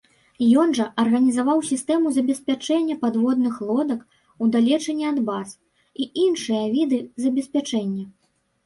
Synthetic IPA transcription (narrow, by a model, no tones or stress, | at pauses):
jɔnʐɐʔɐrɣɐnʲizavawsʲist̪ɛmuzɐbʲɛsʲpʲat͡ʂɛnʲːɐpad̪vɔd̪̚nɨxlˠɔd̪ɐk | ud̪alʲɛt͡ʂɛnʲːiad̪bas | iʔinʂɨjɐvʲid̪ɨzɐbʲɛsʲpʲat͡ʂɛnʲːɐ